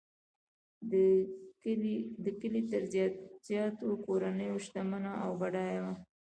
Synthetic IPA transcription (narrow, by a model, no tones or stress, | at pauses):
d̪əkəlit̪əɾz̥jɑt̪okoɾanəjoʃt̪amanaʔawbaɽɑjawa